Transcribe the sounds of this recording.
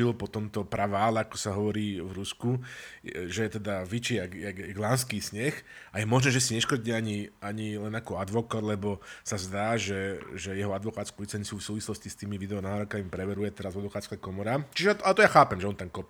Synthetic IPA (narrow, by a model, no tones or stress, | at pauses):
ilpɔt̪ɔmt̪ɔpɾaʋaːlɛakɔ̥saɦɔʋɔɾiːʋɾusku | ʒɛɛt̪ɛd̪aʋit͡ʃiːaɡaɡɡlaːnskiːsɲɛxajɛmɔʒnɛːʒɛsiɲɛʃkɔɾɟiɛaɲiaɲilɛnakɔad̪ʋɔkad̪lɛbɔsazd̪aːʒɛʒɛjɛɦɔad̪ʋɔkaːt̪skuʋit͡sɛnsuːisuːʋislɔscist̪iːmiʋid̪ɛɔnaːɾɔkamipɾɛʋɛɾujɛt̪ɛɾazʋad̪ʋɔkaːt̪skakɔmɔɾat͡ʃiʒɛat̪at̪ɔjaxaːpɛmʒɛɔnt̪amkɔp